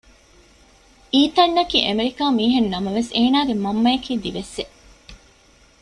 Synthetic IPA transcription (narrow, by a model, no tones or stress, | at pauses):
iːt̪ɐnːɐkiːʔemeɾikaːmiːɦenːɐmɐʋeseːnaːɡemɐmːɐjɐkiːd̪iʋese